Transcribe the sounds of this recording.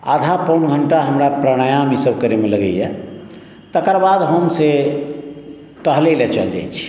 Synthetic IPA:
a̰d̪ʱapənɡʱəɳʈaɦəmɾapɾəɽ̃əjãmisəbkəɾemeləɡə̰jɛ | t̪əkəɾbad̪ɦəmse | ʈəɦlelet͡ʃəld͡ʒa̰jt͡ʃʰi̥

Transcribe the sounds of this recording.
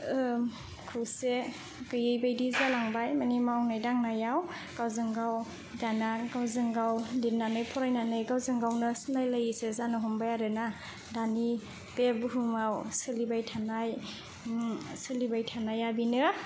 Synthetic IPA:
kʰɯse | ɡɯjejbajdizalaŋbajmanimawnajdaŋnajaw | ɡ̥awzɯŋɡaw | danaɡawzɯŋɡawdinanɯjpʰɔɾajnanɯjɡawzɯŋɡawnɯsɯnajlajisezanɯɦɔmbajaɾɯna | dani | b̥ebɯɦumawsɯlibajtʰanaj | sɯlibajtʰanajabinɯ

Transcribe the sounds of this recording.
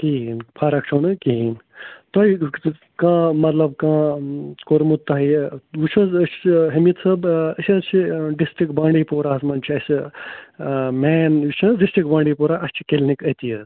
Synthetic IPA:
kiinpʰaːɾɐk̚t͡ʃʰoːnɨkiint̪oi | kãːmɐt̪lɐbkãːkoɾmut̪ːaɦiut͡ʃʰɐ̃zət͡ʃɦɐmit̪sɐbɐsʲt͡ʃʰiɖisʈɾikbãːɳɖiːpoːɾaːsmɐnt͡ʃʰiɐsʲ | meːnjit͡ʃʰɐ̃ɖisʈɾik̚bãːɳɖiːpoːɾaːʔɐst͡ʃʰi̥kelnikɐt̪ijət̪

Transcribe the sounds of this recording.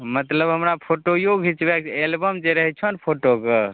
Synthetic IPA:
mət̪ləbɦəmɾapʰoʈojoɡʱɦit͡ʃbekelbəmd͡ʒeɾəɦɛt͡ʃʰənpʰoʈoke

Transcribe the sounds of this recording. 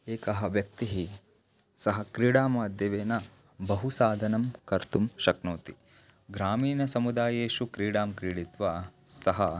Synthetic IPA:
eːkɐɦɐʋjɐk̚t̪iɦi | sɐɦɐkɾiːɽaːmaːd̪ʱjɐʋeːnɐ | bɐɦusaːd̪ʱɐnɐmkɐɾt̪umʃɐknoːt̪i | ɡɾaːmiːnɐsɐmud̪aːjeːʃukɾiːɽaːmkɾiːɽit̪ʋaːsɐɦɐ

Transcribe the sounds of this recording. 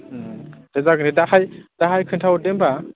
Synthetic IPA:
dezaɡɯnidahajd̥aɦajkʰɯntʰaw̚demba

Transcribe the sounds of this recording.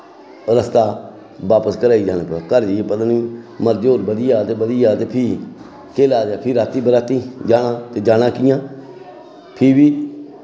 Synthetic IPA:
ɾəst̪aː | ʋaːpəskəɾaːiːd͡ʒaːneːpəakəɾd͡ʒːeːpəd̪nĩːməɾd͡ʒoːɾbəd̪ɪjaːt̪eːbəd̪ijaːt̪eːpʰiː | keːlaːd̪jaːpʰiːɾaːt̪iːbəɾaːt̪iːd͡ʒaːnãːt̪eːd͡ʒaːɽãːkɪjãː | pʰiːbiː

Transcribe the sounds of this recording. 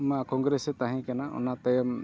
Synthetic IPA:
makɔŋɡɾesɛt̪aɦɛ̃kanaʔɔ̰nat̪əjəm

